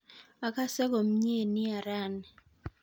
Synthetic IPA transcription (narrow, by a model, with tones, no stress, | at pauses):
a˨ka˦sɛ˦ko˨m˦ɲe˦˨nɪ˦a˨ɾa˦˨nɛ˨